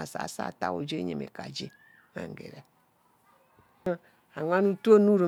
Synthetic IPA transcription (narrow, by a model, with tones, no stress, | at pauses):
a˨sa̰˨sa̰˦˨ta̰˦wo˨d͡ʒe˦ɲḛ˨mḛ˨ka˨d͡ʒe˦ | ma̰˨ŋ˨ɡḛ˨ɾɛ˨˦ | a˨ŋʷa˦nu˦tu˦o˦nu˦ɾu˨